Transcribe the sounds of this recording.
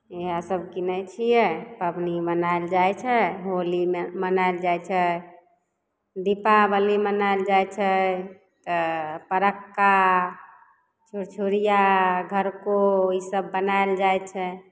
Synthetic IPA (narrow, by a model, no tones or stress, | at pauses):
eɦasəb̚kinət͡ʃʰijɛpəbnibənaeld͡ʒaet͡ʃʰɛɦolimmənaeld͡ʒajt͡ʃʰɛ | d̪ipabəlimənaeld͡ʒajt͡ʃʰɛ | t̪ɔpəɾəkːa | t͡ʃʰuɾt͡ʃʰuɾijaɡʱəɾkoisəbːənaeld͡ʒajt͡ʃʰɛ